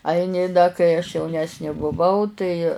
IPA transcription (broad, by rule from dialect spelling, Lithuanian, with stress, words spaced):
ˈɐɪnʲɪ dɐ kɐɪ ɐʃ jɛʊˈnʲæːsʲnʲeː bʊˈʋɐʊ tɐɪ